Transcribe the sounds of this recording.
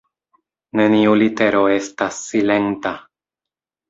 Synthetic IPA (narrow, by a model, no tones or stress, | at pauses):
ne̞niulit̪e̞ɾoe̞stasːile̞nt̪a